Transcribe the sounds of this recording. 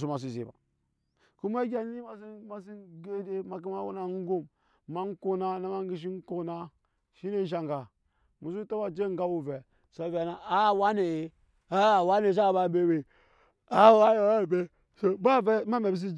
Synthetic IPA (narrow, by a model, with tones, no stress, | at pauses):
s̬u˦ma˨s̬i˨zḭ˨ba̰˨ | ku˦m˦a˦ɡʲa˨n˦i˦ma˨s̬i˦ma˨si˦ɡe˦de˦ma˨k̬i˦ma˦wṵ˦na˨˦ŋ˦ɡu˦˨mː | a˦ŋ̩˦ko˦na˦na˦ma˦ŋ˦ɡi˨ʃ̬i˦ŋ̩˦ko˦na˦ | ʃi˦ne˦n˦ʃ̬a˨ŋɡa˨ | mu˨su˦ta˦wa˦d͡ʒe˦ŋ̩˦ɡa˦wu˨vɛ˨ | so˨va˨na˨a˦˨wa˦ne˨˦ | a˦˨wa˦ne˨s̬a˦˨ba˨be˦˨we˨ | a˦˨wa˦jo˨˦a˦˨be˦ | so˦ba˦vɛ˦ma˦me˨bi˨s̬i˦